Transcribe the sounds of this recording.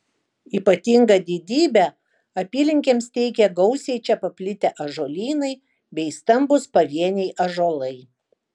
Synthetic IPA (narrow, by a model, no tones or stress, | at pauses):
iːpɐt̪ʲiŋɡɐd̪ʲid̪ʲiːbʲɛ | ɐpʲiːlʲɪŋʲkʲeːmst̪ʲɛɪkʲɛɡɒʊsʲeɪt͡ʃʲɛpɐpʲlʲɪt̪ʲɛʔɐʒoːlʲiːnɐɪ | bʲɛɪst̪ɐmbʊspɐʋʲiɛnʲɛɪʔɐʒoːlˠɐɪ